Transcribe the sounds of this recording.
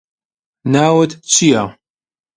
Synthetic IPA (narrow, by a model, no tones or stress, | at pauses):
naːwɐt̪t͡ʃʰija